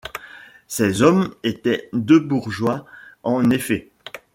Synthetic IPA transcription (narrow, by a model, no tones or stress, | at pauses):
sɛzɔmet̪ɛd̪øbuʁʒwaɑ̃nefɛ